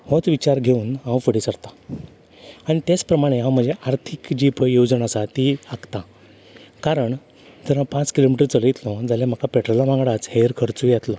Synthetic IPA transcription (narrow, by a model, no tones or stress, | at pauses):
hõt͡sʋit͡ɕaɾɡʱeuːnɦãwfəɽisəɽt̪a | aɽ̃it̪jat͡spɾəmaɽ̃eɦãwm̤əd͡zeʔaɾt̪ʰikd͡ʑipəjod͡zənasat̪iakt̪ã | kaɾəɳ | d͡z̪əɾãpãt͡skilomiʈəɾt͡səlit̪lɔ̃d͡zaljam̤əkapɛʈɾolaʋãŋɡɽat͡sheɾkʰəɾt͡sujat̪lɔ